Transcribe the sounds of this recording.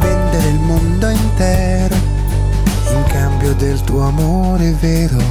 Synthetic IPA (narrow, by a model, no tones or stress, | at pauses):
vɛnd̪eɾeilmond̪oint̪ɛː | ɾo | iŋkambjod̪elt̪uoamo | ɾeveːɾo